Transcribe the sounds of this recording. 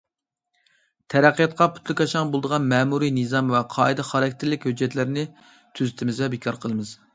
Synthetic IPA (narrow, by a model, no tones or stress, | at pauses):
t̪ʰɛɾæqʰːijɑt̪̚qʰɑpʰu̥t̪lˠɪkʲɑʃɑŋbolˠd̪əʁɑnmɛːmuɾijnɨzɑmvɛqʰɑːid̪ɛχɑɾɑk̚ʲt̪ʰɪɾlɪkʲhød͡ʒːɛt̪lɪɾɪnɪ | t̪ʰyzɪt̪ʰɪmɪzvɛbekʰɑɾqʰəlˠɨmɨz̥